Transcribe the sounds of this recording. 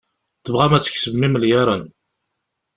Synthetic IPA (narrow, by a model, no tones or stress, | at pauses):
θəvʁæmæt͡sːə̥çsəvmiməljaɾˤən